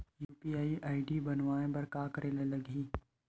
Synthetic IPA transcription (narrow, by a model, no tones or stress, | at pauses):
juːpiːaːiʔaːɪɖibɐnʋaːẽbɐɾkaːkəɾelelɐɡiː